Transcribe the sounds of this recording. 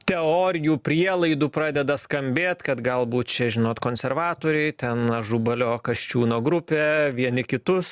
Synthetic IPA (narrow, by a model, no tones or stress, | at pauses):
t̪ʲɛoːɾʲɪjuːpʲɾʲiɛlˠɐɪd̪uːpɾɑːd̪ʲɛd̪ɐskɐmʲbʲeːt̪kɐt̪ɡɐlˠbuːt̪t͡ʃʲɛʒʲɪnoːt̪koːnʲsʲɛrʋɑːt̪oːɾʲɛɪt̪ʲɛnɐʒubɐlʲoːkɐʃʲt͡ʃʲuːnoːɡɾʊpʲeːʋʲiɛnʲɪkʲɪt̪ʊs